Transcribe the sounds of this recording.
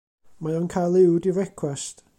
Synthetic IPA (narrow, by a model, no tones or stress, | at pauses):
majɔnkʰajlˠɪwdiɾɛkʰwɛst